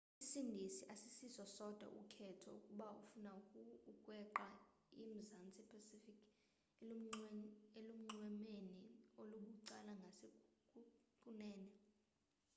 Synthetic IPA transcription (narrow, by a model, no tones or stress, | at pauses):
isindʱisiʔasisisɔsɔd̥ʱwa̰ʔṵkʰɛtʰɔ̰ukʼuɓaufunakʼukʼwɛǃa | im̩zant͡sʼipʰasifikʰ | elum̩ŋ͡ǀwɛmenioluɓuǀalaŋɡʱasekʼukʼunɛːnɛ